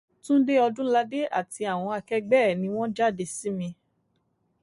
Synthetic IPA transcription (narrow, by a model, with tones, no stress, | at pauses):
tũ˦de˦ɔ˧dũ˦la˧de˦a̰˦˨ti˨˧˦a˦˨w̃ɔ̃˧a˧kɛ˦ɡ͡bɛ˦˨nĩ˧w̃ɔ̃˦d͡ʒa˦˨de˧si˨˦mĩ˧